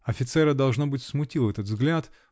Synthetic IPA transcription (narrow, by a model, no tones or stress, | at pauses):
ɐfʲɪt̪sɛɾəd̪ɐlˠʐnobɨtʲsmʊtʲilˠɛt̪ət̪vzɡlʲat̪